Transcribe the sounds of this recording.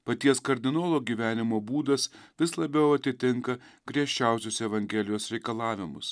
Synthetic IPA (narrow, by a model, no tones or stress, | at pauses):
pɐt̪ʲiɛskɐɾʲd̪ʲɪnoːlˠoːɡʲiːʋʲæːnʲɪmoːbuːd̪ɐsʋʲɪslˠɐbʲɛʊɐt̪ʲɪt̪ʲɪŋkɐ | ɡɾʲiɛʃʲt͡ʃʲæˑʊsʲʊsɛʋɐŋʲɡʲɛːlʲɪjoːsɾʲɛɪkɐlˠɑːʋʲɪmʊ̰s